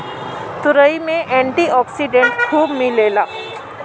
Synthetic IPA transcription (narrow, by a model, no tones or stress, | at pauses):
t̪ʊɾəimẽʔɛ̃ɳʈiɔːksiɖẽɳʈkʰuːbmilelaː